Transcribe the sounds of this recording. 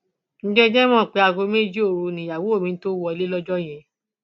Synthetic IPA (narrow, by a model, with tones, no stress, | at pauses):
n̩˦d͡ʒɛ˦d͡ʒɛ˦mɔ̃˦˨k͡pe˧˦a˧ɡo˧˦me˦˨˦d͡ʒi˦o˦˨ɾu˧nĩ˨ja˨wo˨˦o˦˨mĩ˧n̩˦to˦wɔ˧i˧le˦lɔ˦d͡ʒɔ˦j̃ɛ̃˧